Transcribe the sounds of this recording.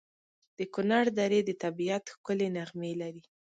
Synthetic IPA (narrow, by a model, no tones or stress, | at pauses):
d̪̥əkʊnaɾd̪ɑɾed̪ət̪abiat̪xkʊlenaɣmelaɾi